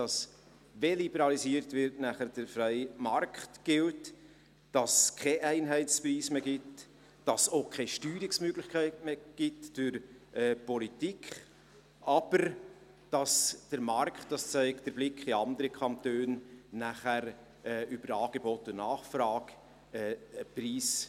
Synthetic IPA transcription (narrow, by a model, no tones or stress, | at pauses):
d̥ɑs | velibɛɾɑlisiːəɾtvɪɾtnæχəd̥əɾfɾɛɪmɑrkχtɡ̥ɪlt | d̥ɑskʰɛʔæɪnɦɛɪt͡spriːsmeːɡɪt | d̥ɑsokʰɛʃtyːɾiksmøɡlɪχkʰæɪtmeɡ̥ɪtd̥ʏɾɛːpɔlitikχ | ʔɑb̥əɾ | d̥ɑsd̥əɾmɑrktdɑst͡sæɪkd̥əɾblɪkχiɑnd̪əɾəkʰɑntøːnːæχæɾ | ɛʏb̥əɾɑːɡ̥ebɔtʊnɑːχfɾɑːɡ̥ | ɛːpriːs